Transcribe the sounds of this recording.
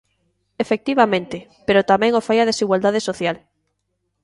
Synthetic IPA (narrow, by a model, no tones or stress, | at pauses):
efek̚t̪iβamẽnt̪ɪpeɾot̪amɛ̃ŋofajaðesiɣwald̪að̞esoθjal